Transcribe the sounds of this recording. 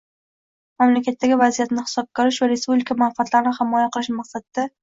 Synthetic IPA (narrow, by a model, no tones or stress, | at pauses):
mamlakʲat̪ːaɡʲɪvazijat̪nɪhɪ̥sɒb̚kʲɒɾɪʃvaɾe̞spublikʰamanfat̪ʰlaɾɪnɪhɪmɒjaqɨlˠɪʃmaqsad̪̚d̪a